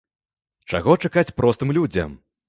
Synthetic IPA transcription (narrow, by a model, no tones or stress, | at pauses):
t͡ʂaɣɔt͡ʂakat͡sʲpɾʔɔst̪ɨmlʲud͡zʲɐ̰m